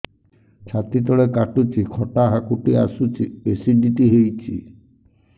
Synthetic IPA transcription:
t͡ʃʰat̪it̪̬ɔɭekaʈut͡ʃʰikʰɔʈaɦakuʈiasut͡ʃʰiesiɖiʈiɦejt͡ʃʰi

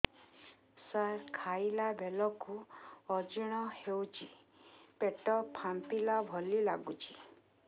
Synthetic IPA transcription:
saɾkʰailabʱelɔkuɔd͡ʒuɽ̃ɔhewt͡ʃʰi | peʈɔpʰampilabʱɔlilaɡut͡ʃʰi̥

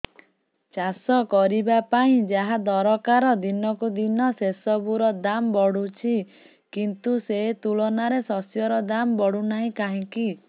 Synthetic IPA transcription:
t͡ʃasɔkɔɾibapaĩd͡ʒaɦad̪ɔɾɔkaɾɔd̪inɔkud̪inɔsesɔbuɾɔd̪ambɔɽut͡ʃʰi | kint̪uset̪uɭɔnaɾesɔsjɔɾɔd̪ambɔɽunaɦĩkaɦĩki

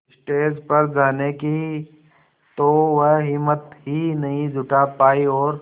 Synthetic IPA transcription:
sʈeːd͡ʒpɐɾd͡ʒaːneki | t̪oʋəɦɦɪmət̪ɦinɐɦĩd͡ʒʱʊʈapaːiɔːɾ

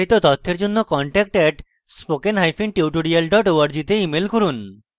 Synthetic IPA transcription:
it̪ot̪ɔt̪ʰːeɾd͡ʑonːokɔɳʈɛk̚ʈɛʈ | spokenɦajfʰinʈiwʈoɽialɖɔʈowaɾd͡ʑit̪eimelkoɾun

